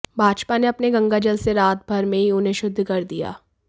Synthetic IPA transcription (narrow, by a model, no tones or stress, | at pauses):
bʱaːd͡ʒpaneɐpneɡɐ̃ŋɡad͡ʒɐlseɾaːt̪̚bʱɐɾmẽɦiʊnɦẽʃʊd̪ʱːkɐɾd̪ija̰ː